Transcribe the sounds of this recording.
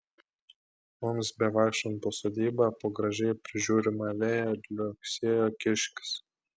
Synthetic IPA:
mʊmsbʲɛʋɑˑːkʃtɐnt̪osoːd̪ʲiːbɑpoːɡɾɐʒʲɛɪpʲɾʲɪʒʲuːɾʲɪmɑʋʲeːjɛd̪lʲɔksʲiːjoːkʲɪʃʲkʲɪ̥s

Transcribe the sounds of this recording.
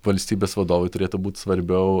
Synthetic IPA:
ʋɐlʲsʲt̪ʲiːbʲeːsʋɐd̪oːʋoɪt̪ʊɾʲeːt̪ʊbuːt̪ʲsʋɐɾʲbʲɛʊ

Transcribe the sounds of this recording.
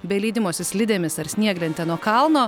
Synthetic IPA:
bʲɛlʲiːd̪ʲɪmoːsʲɪsʲlʲɪd̪ʲeːmʲɪsɐɾsʲnʲiɛɡlʲɛnt̪ʲɛnuɔkɐlˠnoː

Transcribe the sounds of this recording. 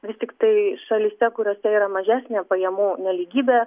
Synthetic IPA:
ʋʲɪst̪ʲɪkt̪ɐɪʃɐlʲɪsʲɛkʊɾʲoːsʲɛiːɾɐmɐʒʲæːsʲnʲeːpɐjɛmuːnʲɛlʲiːɡʲiːbʲeː

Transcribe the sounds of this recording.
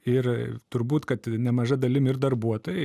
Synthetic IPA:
ɪrt̪ʊɾbuːt̪kɐt̪nʲɛmɐʒɐd̪ɐlʲɪmɪrd̪ɐrbuɔt̪oːjɛ

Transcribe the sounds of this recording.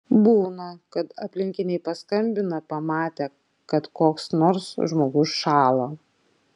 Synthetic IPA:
buːnɐkɐt̪ɐpʲlʲɪŋʲkʲɪnʲɛɪpɐskɐmʲbʲɪnɐpɐmɑːt̪ʲɛː | kɐt̪koːksnoːɾsʒmoːɡʊsʃɑːlˠoː

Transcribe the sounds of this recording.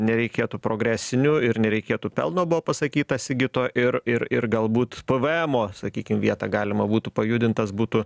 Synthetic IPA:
nʲɛɾʲɛɪkʲeːt̪upɾoːɡɾʲæːsʲɪnʲʊɪɾnʲɛɾʲɛɪkʲeːt̪upʲɛlˠnoːbʊʋoːpɐsɐkʲiːt̪ɐsʲɪɡʲɪt̪oːʔɪɾɪɾɪrɡɐlˠbuːt̪pəʋɨɛmoːsɐkʲiːkʲɪmʋʲiɛt̪ɑːɡɑːlʲɪmɐbuːt̪upɐjʊd̪ʲɪnt̪ɐsbuːt̪ʊ

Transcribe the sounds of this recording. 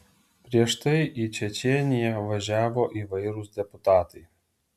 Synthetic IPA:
pʲɾʲiɛʃt̪ɐɪʔit͡ʃʲɛt͡ʃʲɛnʲɪjɛʋɐʒʲæːʋoːʔiːʋɐɪɾʊsd̪ʲɛpʊt̪ɑːt̪ɐɪ

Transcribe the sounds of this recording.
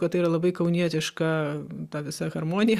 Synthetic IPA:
kɐt̪iːɾɐlˠɐbɐɪkɐʊnʲiɛt̪ʲɪʃkɐt̪ɑːʋʲɪsɐɣɐɾmoːnʲɪjɛ

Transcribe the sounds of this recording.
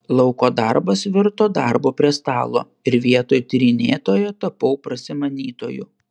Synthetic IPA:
lˠɐʊkoːd̪ɑɾbɐsʋʲɪɾt̪oːd̪ɑɾboːpʲɾʲiɛst̪ɑːlˠo̰ː | ɪɾʋʲiɛt̪oːjt̪ʲːɾʲɪnʲeːt̪oːjoːt̪ɐpɐʊpɾɐsʲɪmɐnʲiːt̪o̰ːjʊ̰

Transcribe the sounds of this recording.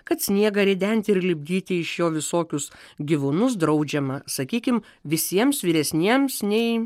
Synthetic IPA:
kɐt̪sʲnʲiɛɡɐɾʲɛd̪ʲɛnʲt̪ʲɪɪɾlʲɪbʲɡʲiːt̪ʲɪɪʃjoːʋʲɪsoːkʲʊsɡʲiʋʊnʊs̬d̪ɾɐʊd͡ʒʲɛmɐsɐkʲiːkʲɪm | ʋʲɪsʲiɛmsʋʲiːɾʲɛsʲnʲiɛmsnʲɛɪ

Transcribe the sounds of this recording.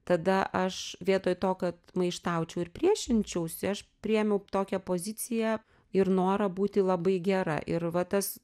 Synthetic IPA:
t̪ɐd̪ɐʔɐʃʋʲiɛt̪oːjt̪oːkɐt̪mɐɪʃt̪ɐʊt͡ʃʲɛʊɪɾpʲɾʲiɛʃʲɪnʲt͡ʃʲɛʊsʲɪɐʃpʲɾʲɪjɛmʲɛʊt̪oːkʲɛpoːzʲɪt͡s̪ʲɪjæ | ɪɾnoːɾɐbuːt̪ʲɪlˠɐbɐɪɡʲɛɾɐ̰ʔɪɾʋɐt̪ɐs

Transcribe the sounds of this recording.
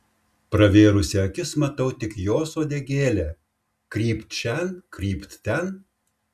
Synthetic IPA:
pɾɐʋʲeːɾʊsʲɪɐkʲɪsmɐt̪ɐʊt̪ʲɪkjoːsoːd̪ʲɛɡʲeːlʲæː | kɾʲiːpt̪ʃʲɛnkɾʲiːpt̪t̪ʲɛn

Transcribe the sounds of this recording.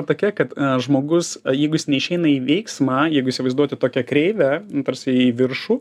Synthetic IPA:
t̪oːkʲɛkɐt̪ʒmoːɡʊsjɛɪɡʊjɪsnʲɛɪʃʲɛɪnɐiːʋʲɛɪksmɑːjɛɪɡʊisʲɪʋɐɪzd̪uɔt̪ʲɪt̪oːkʲɛkɾʲɛɪʋʲɛt̪ɐɾʲsʲɪiʋʲɪɾʃuː

